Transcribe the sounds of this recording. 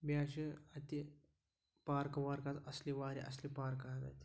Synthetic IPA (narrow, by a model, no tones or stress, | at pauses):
baːɕiɐt̪i | paːɾkɐʋaɾkat̪ɐsliʋaːɾḭʔɐ̰slipaːɾkat̪a̰t̪i